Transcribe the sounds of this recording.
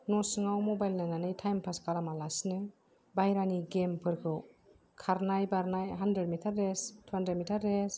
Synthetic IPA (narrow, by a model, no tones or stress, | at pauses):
nɔsɯŋawmɔbajlnananɯjtʰajmpʰaskalamalasnɯ | bajɾaniɡempʰɯɾkʰɯw | kʰaɾnajbaɾnajɦandɾedmitʰaɾːestʰuandɾed̚mitʰaɾːes